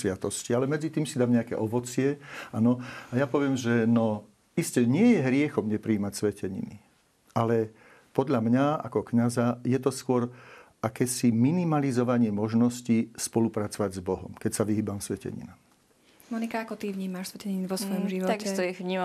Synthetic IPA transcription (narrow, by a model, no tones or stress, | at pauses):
sʋɪat̪ɔscialɛmɛd͡zit̪iːmsid̪aːmɲɛakɛ̰ʔɔʋɔt͡sɪɛanɔajapɔʋɪɛmʒɛnɔ | iscɛɲɪɛjɛɦɾɪɛxɔmɲɛpɾiːmacsʋɛcɛɲḭnḭ | ʔalɛ | pɔd̪ʎamɲaa̰kɔkɲazajɛt̪ɔskʊɔɾ | akɛːsiminimalizɔʋaɲɪɛmɔʒnɔscispɔlupɾat͡sɔʋaɟzbɔɦɔ̰mkɛcsaʋiɦiːbamsʋɛcɛ̰ɲḭnam | mɔnikaakɔt̪iʋɲiːmaʃsʋɛcɛɲinʋɔsʋɔjɔmʒiʋɔt̪aɡist̪ɔiʋɲiːma